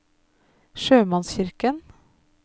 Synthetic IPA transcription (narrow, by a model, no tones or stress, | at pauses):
ʃøːmɑnsçɪɾkən